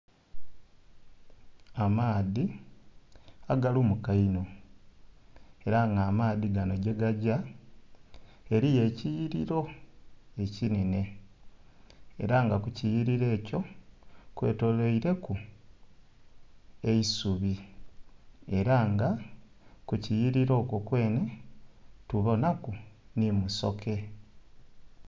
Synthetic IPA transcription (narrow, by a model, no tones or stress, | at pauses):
amaːði | aɡaluːmukaino̞ | e̞ɾaŋɡaːmaːðiɡano̞ɟe̞ɡaɟa | e̞ɾije̞ːcijiɾiɾo̞ | e̞cinene̞ | ḛɾaŋɡakucijiɾiɾe̞ːco̞kwe̞̰ːto̞loiɾe̞ku | e̞isuβi | e̞ɾaŋɡa | kucijiɾiɾo̞ːkokwe̞ːne̞ | tuβonakunimuso̞ke̞